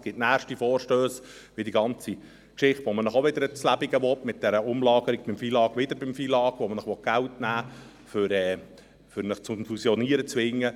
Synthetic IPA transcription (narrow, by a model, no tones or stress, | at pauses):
sɡ̥ɪtnæːɾʃtifɔːrʃtøːsʋɪdiɡɑnt͡si | kʃɪχtʋomənəχoʋɪd̪əɾət͡slæbiɡəʋɔtmɪt̚d̥ɛɾəʊmlɑːɡ̥əɾiɡ̚b̥ɪmfiːlɑːɡʋɪd̪əɾbɪmfiːlɑːɡ̥ʋomənəχʋɔt̚ɡ̥æltnæː | fʏɾɛː | fʏɾnəχt͡sʊnflusjɔniːəɾət͡sʋɪŋːə